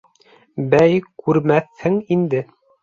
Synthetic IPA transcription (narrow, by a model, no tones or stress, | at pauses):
bæjkʉɾmæθhɘŋind̪ɘ